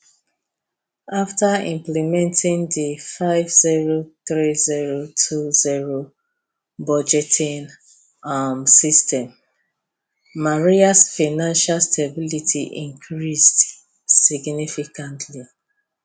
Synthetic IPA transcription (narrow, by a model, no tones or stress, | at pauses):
aftaḭ̃mplimɛ̃ntʰĩŋdifaɪvziɹoθɹiziɹotʰuziɹo | bɔd͡ʒɛtʰĩn | amsistɛ̃m | aɹiasfanãnʃalstʰebilitʰḭʔḭ̃ŋkʰɹisd | siɡnifikãntʰli